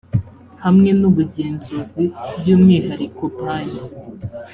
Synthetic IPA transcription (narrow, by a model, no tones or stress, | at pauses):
hamŋe̞nuβuɟeːnzuzibɟuːmŋiːhaɾikopaɲa